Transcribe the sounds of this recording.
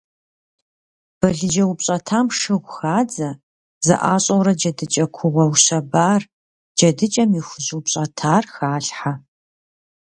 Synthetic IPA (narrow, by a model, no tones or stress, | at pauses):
b̥ɐɮɨd͡ʒɐwʊpɕʼɐtʰaːmʂɨʁʷxaːd͡zɐ | zɐ̰ʔa̰ːɕʼɐwɾɐd͡ʒɐdɨt͡ʃʼɐkʷʰʊʁʷɔwɕɐbaːr | d͡ʒɐdɨt͡ʃʼɐmixʷʊzuwpɕʼɐtʰaːrxaːɬħa